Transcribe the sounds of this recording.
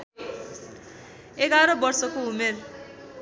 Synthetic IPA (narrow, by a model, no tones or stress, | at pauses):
eɡaɾʌbʌrsʌkoumer